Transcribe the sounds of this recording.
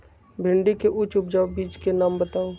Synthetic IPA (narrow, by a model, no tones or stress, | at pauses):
bʱɪɳɖikeʔʊt͡ʃʊpd͡ʒaːbiːt͡ʃkenaːmbɐt̪aːo